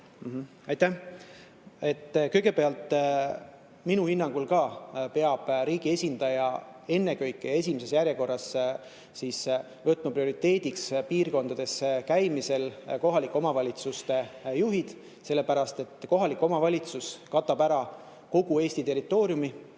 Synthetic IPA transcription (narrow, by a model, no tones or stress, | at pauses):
m̩ɦ̩ | ɑjt̪æ | e̞t̪ːkɤjɡ̥e̞pe̞ɑlt̪ːˑ | minuhinːɑŋɡ̥ulkɑːpe̞ɑb̥ɾiːɡ̥ie̞sʲind̪ɑjɑe̞nːe̞kɤjkːˑee̞s̬ʲimese̞sjæɾje̞ko̞rːɑs | siːs | vɤt̪ːˑmɑprio̞ɾit̪ːˑe̞ːd̪ikspiːrko̞nd̪̥ɑd̪̥e̞skæjmise̞lko̞ɦɑlikːˑo̞mɑvɑlʲit̪sust̪e̞juɦid̪̥ | se̞lːe̞pæɾɑst̪e̞t̪ːˑko̞ɦɑlikːˑo̞mɑvɑlʲit̪suskɑt̪ːˑɑbæɾɑ | ko̞ɡ̥ue̞ːsʲt̪it̪e̞rit̪ːˑo̞ːɾjumi